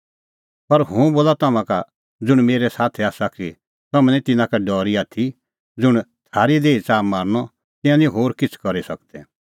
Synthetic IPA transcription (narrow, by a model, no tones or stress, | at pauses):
pɐɾɦũboːlat̪ɐmãka | d͡zʊɽ̃meːɾɛsaːt̪ʰɛaːsaki | t̪ɐm̃ĩt̪ɪnãkaɖɔːɾiaːt̪ʰi | d͡zʊɽ̃t̪ʰaːɾid̪eːit͡saːmːaːɾñɔ | t̪ɪ̃jãnĩɦoːɾkɪt͡sʰkɐɾisɐkd̪ɛ